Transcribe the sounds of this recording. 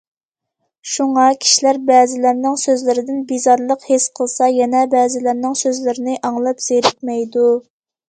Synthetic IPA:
ʃuŋɑkʲʰi̥ʃilæɾbɛːzɪlæɾnɪŋsøzlɪɾɪd̪ɪnbizɑɾlˠəqhesqʰəlˠsɑjɛnɛbɛːzɪlɪɾnɪŋsøzlɪɾɪnɪʔɑŋlˠɑpz̥eɾɪk̪̚mɛjd̪u

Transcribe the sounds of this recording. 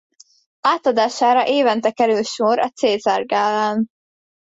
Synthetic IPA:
aːt̪ɒd̪aːʃaːɾɒʔeːvɛnt̪ɛkɛɾylʃoɾɒ̰t̪seːzarɡaːlaːn

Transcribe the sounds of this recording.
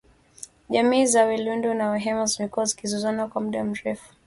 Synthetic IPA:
ʄamiːzawilundunawɛɦɛmɔzmikɔzikizuzanakwamuɗam̩ɾɛfu̥

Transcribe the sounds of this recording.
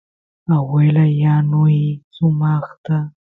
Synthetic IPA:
awelajanʊjsʊmɑχt̪a

